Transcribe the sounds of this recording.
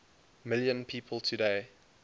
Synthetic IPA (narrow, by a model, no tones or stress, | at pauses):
mɪljə̃npʰiːpʰəlˠtʰudeɪ